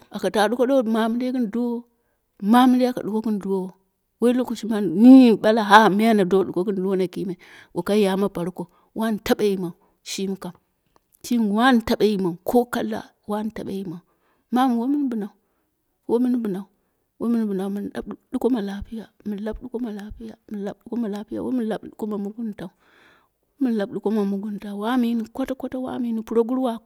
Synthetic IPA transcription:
a˨ka˨ta˨ɗu˦ko˦ɗo˦ma˨mi˦de˦ki˦n˨du˦wo˦ | ma˦mi˦ɾe˦a˦˨ka̰˨ɗu˨ko˦ki˦n˨du˦wo˦o˨ | wo˦i˦lo˦ku˨ʃi˦ma˦nni˦ɓa˦la˨ɦa˦mi˦a˦na˨do˦ɗu˨ko˦ki˦n˦˨du˦wo˦na˨ki˦ma˨i˨ | ɡo˨ka˦ja˨ma˦pa˨ɾu˦ko˨ | wʔa˦n˨ta˦ɓa˦ji˨ma˨ | ʃi˦mi˦ka˨m | t͡ʃi˦n˨wa˦n˦ta˦ɓa˨˦ji˨ma˨kʰo˦ka˦lːa̰˨ | wa˦n˨ta̰˨ɓa̰˦ji˨ma˨ | ma˦m˨wo˦mi˦n˦bu˨na˨u˨ | wo˦mi˦n˦bu˨na˨u˨ | wo˦mi˦n˦bɨ˨na˨u˨mi˨na˦ɗu˦ko˦ma˨la˦pi˦ja˨mi˨la˦bɗu˦ko˦ma˨la˦pi˦ja˨mi˨la˨bɗu˦ko˦ma˨la˦pi˦ja̰˨wʔo˦mi˦la˨ɓɗu˦ko˦ma˨mu˦ɡu˦nta˨u˨˦ | mi˦n˦la˨bɗu˦ko˦ma˨mu˦ɡu˦nta˨wa˦mi˦ni˨kʷo˦ta˦ko˦ta˦wa̰˦mi˨˦ni˨pu˦ɾo˦ɡu˦ɾwa˦

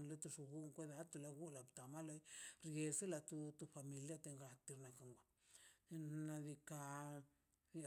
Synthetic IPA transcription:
nlo˦t̪u˧ʂu˧ɡu˦ŋkʷe˦d̪a˧t̪u˧la˧ɡu˦la˨bt̪a˨ma˦lo˧˦jɾɡe˧se˦la˧t̪u˧t̪u˧fa˧mi˨lja˧t̪e˧ŋɡa˧t̪i˧ɾna˧ka˧ŋɡʷa˨ | na˧d̪i˧ka˧

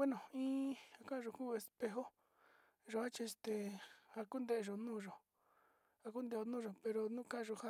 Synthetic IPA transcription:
we˦nõ˨ĩː˦ha˧kã˦˧ʒo˨kuː˦e˧spe˧ɦo˦ | ʒo˧a˦t͡ʃi˧st̪e˧a˧ku˦nd̪e˧ʔe˧ʒo˨nũː˦˨ʒo˨ | a˧k̬u˦nd̪e˧˨o˧nũː˦ʒo˨pe˧ɾo˧nũː˦˧kã˦˧ʒo˨ha˦

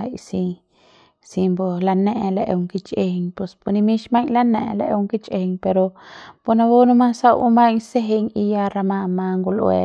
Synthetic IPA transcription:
a˧jsi˧ | si˧mbo˧la˧ne˧ʔle˧ʔu˧ŋki˧t͡ʃe˧ɲpo˧spu˧ni˧mi˦ʃma˦ŋla˦ne˧ʔle˧ʔu˧ŋki˦t͡ʃe˧ɲpe˧ɾo˧po˧na˧bo˦nu˦ma˦sa˦˧wṵ˧ma˦ɲse˦ɦe˧ɲi˧ja˧ɾa˧ma˧ma˧ŋɡu˧lʔwḛ˧

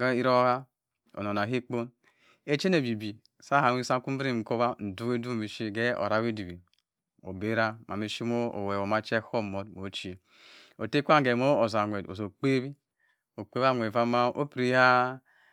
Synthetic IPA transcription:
ɡa˦i˦ɾo˦ha˦ | o̰˨no˨na˨ɦi˦k͡po˦n | e˦t͡ʃe˦ne˨bi˨bi˨ | sa˦ɦa˨i˦sa˦ku˦m̩˦bɾi˦˨ko˦ba˦n̩˨du˦we˦du˦˨mi˨ʃi˦ɡe˦o̰˨ɾa˦we˦du˨bi˨ | o̰˨be˦ɾa˦ma˨mi˨ʃi˦mo˦o̰˨we˨wo˨ma˦t͡ʃe˦ho˦˨mo˨˦dmo˨˦t͡ʃi˦ | o˨te˦kʷa˦˨ɡe˨mo˦o˨za˨ŋʷe˨do̰˨zo˨k͡pe˦bi˦ | o˨k͡pe˦ba˦˨ŋʷ˨e˨va˦ma˦o̰˦pɾi˦ha˦

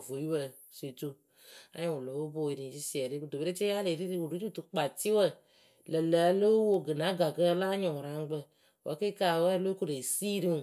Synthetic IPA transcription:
vo˨ji˦wə˧ | se˨tu˦ | a˦ɲĩ˦˨wo˨lo˨˦wo˦bo˨i˨ɾi˨si˦si˦˨ɛ˨ɾi˦ku˨do˨be˦ɾe˦t͡ʃe˦a˦le˨ɾi˦ɾi˦wu˨ɾu˨˦ɾi˦tu˨k͡pa˨ti˦wə˦˨ | lə˨lə˨˦lo˦wo˧ɡɨ˨na˨˦ɡa˨ɡə˦la˦ɲɔ̃˨ɾa˨˦ŋ˦ɡ͡bə˧ | wʔə˨˦ke˦ka˨wə˦lo˦ku˦ɾe˨si˦ɾi˦ũ˨

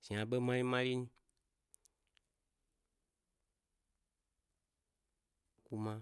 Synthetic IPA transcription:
sĩ˨a˨bə˦mã˦lĩ˦mã˦li˦ɲi˦ | ku˧mã

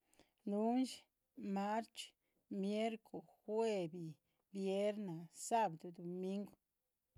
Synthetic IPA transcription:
lu˦nʃ | ma˦ɾt͡ʃ | mje˦ɾko˨xwe˦bi˨ | bje˦ɾna˨sa˦bd̪u˨d̪o˨mi˦ŋɡ

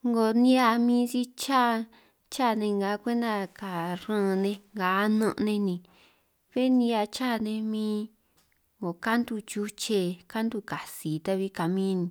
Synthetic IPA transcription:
ŋɡo˨nĩ˦a˧mĩː˧˦t͡ʃi˦t͡ʃa˦˨ | t͡ʃa˦˨˧nẽ˧ŋɡa˨˦kʷe˦nd̪a˧ka˨ɾã˦˧˨nẽ˧ŋɡa˨˦nũ˦˧ʔnẽ˧nĩ˧ | βe˦nĩ˧˦a˧t͡ʃa˦˨˧nẽ˧mĩː˦ | ŋɡo˨ka˦nd̪u˧t͡ʃu˧t͡ʃe˧ka˦nd̪u˦˧˨ka˨si˨t̪a˦˧βi˧ka˨mĩː˦nĩ˧

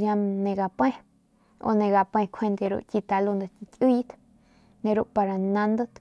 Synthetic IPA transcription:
jã˧nẽ˧ɡa˨pẽ˦ | o̰˧nẽ˧ɡa˨pẽ˧kʰe˧nd̪e˧ɾṵ˧ʔt͡ʃi˧t̪a˧lu˧nd̪a˧ti˧ku˦˧i˦t̪ | nẽ˧ɾu˧ʔpa˧ɾa˨nã˧nd̪o˦t̪

